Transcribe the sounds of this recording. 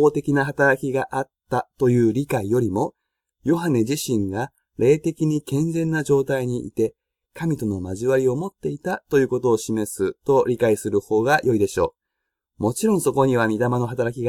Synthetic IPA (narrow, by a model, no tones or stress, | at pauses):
oːt̪e̞kʲinaɦat̪aɾakʲiɡaʔat̪ːat̪o̞jɯ̟ːɾʲikaijo̞ɾʲimo̞ | jo̞ɦane̞ʑiɕĩŋɡa | ɾe̞ːt̪e̞kʲiɲ̟ikẽ̞nzẽ̞nːaʑo̞ːt̪aiɲ̟iʔḭt̪e̞ | kamʲit̪o̞no̞maʑiβaɾʲio̞mo̞t̪ːe̞it̪at̪o̞jɯ̟ːko̞t̪o̞ːɕime̞sɨt̪o̞ɾʲikaisɨɾɯ̟ho̞ːɡajʔo̞id̪e̞ɕo̞̰ː | mo̞t͡ɕiɾõ̞ɰ̃so̞ko̞ɲ̟iβ̞amʲit̪amano̞ɦat̪aɾak̬ʲiɡa